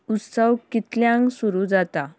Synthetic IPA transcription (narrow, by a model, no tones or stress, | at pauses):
ut̪səwkit̪ljãŋɡsuɾuːd͡zat̪a